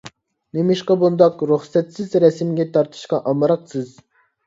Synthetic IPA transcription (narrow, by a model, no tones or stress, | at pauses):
nemɪʃqɑbund̪ɑqɾuχsɛt̪sɪzɾɛsmɡʲɛt̪ʰɑɾt̪ʰɨ̥ʃqɑʔɑmɑɾɑqsɨz